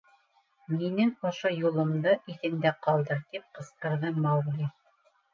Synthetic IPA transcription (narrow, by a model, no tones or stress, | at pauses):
minɘŋŏʃojulˠŏmd̪ɤʔiθɘ̆nd̪æqɑlˠd̪ɤɾt̪ip̚qɤ̆sqɤ̆ɾðɤmɑwlʲi